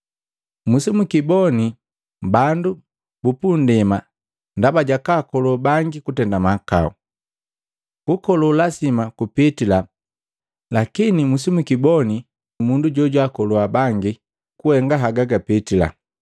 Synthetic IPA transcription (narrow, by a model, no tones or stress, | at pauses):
musimukibɔni | bandu | bupundɛma | ndabaɟakakɔlubaŋɡikutɛndamaka̰u | kukɔlɔlasimakupitila | lakinimusimukibɔni | munduɟɔɟwakɔluabaŋɡi | kuhɛŋɡaɦaɡaɡapitila̰